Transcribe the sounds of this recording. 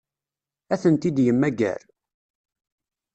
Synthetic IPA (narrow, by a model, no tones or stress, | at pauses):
æθənt̪id̪jəmːæɡæ̰ɾ